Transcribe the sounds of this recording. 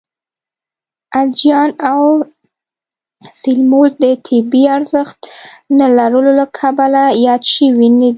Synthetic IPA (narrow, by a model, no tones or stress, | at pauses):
ald͡ʒijɑnaw | sɪlmolt̪̚d̪ət̪ʰɪbiaɾzəxt̪nalaɾəlolakʰabalajɑd̪ʃəwinad̪i